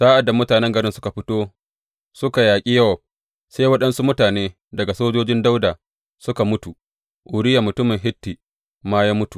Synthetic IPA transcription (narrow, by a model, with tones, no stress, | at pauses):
saː˦ʔa˨dːa˨mʊ˦taː˨nɛ˦ŋɡɐ˨ɾɪ˦nsʊ˦ka˨ɸɪ˦toː˦ | sʊ˦ka˨jaː˨kʲʼi˦jɐ˦wɐ˨b̚ | saː˦jwɐ˦ɗɐ˦nsu˦mʊ˦taː˨neː˦ | dɐ˨ɡa˨soː˦d͡ʒoː˦d͡ʒɪ˦nda˦wdaː˨ | sʊ˦ka˨mʊ˦tu˨ | ʔʊ˨ɾɪ˦ja˨mʊ˨tʊ˦mɪ˨ŋɦɪ˦tːi˨ | maː˦jaː˦mʊ˦tu˨